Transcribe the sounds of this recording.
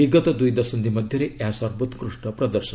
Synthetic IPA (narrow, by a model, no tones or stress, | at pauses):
iɡɔt̪ɔd̪ujd̪ɔsɔnd̪imɔd̪ʱjʌɾeʔaasɔɾbut̪kɾuʂʈɔpɾɔd̪əɾʃən